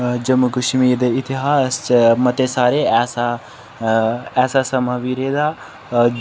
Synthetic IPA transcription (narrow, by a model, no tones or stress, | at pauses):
d͡ʒɐmukuʃmiːd̪eɪt̪iɦaːsmɐt̪esaːɾeɛːsa | ɛːsasɐmaʋiɾeːd̪aː